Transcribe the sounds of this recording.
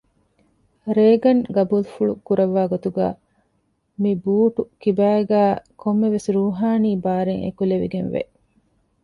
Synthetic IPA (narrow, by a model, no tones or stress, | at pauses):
ɾeːɡɐnɡɐbuːlfuɭukuɾɐʋːaːɡot̪uɡæ̰ː | mibuːʈukibæːɡæːkʰomːeʋesɾuːɦaːniːbaːɾeŋḛkuleʋḭɡenʋḛ